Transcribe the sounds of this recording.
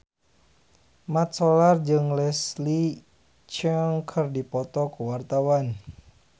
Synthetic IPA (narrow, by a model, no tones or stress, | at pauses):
mat̪̚sɔlard͡ʒɨŋlɛsli | t͡ʃəŋkʰɨrdipɔt̪ɔkəwart̪awan